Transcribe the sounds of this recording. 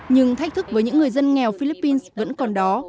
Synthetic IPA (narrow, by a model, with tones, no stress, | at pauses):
ɲɨ˧ŋt̪ʰa˦˥jk̚t̪ʰk̚vəː˨˦jɲɨ̰˧˥ŋːɨ˨˩əjzə˧nŋɛ˨˩wfi˧li˦˥pːi˧nsvə̰˧˥nkɔ˨˩nɗɔ˨˦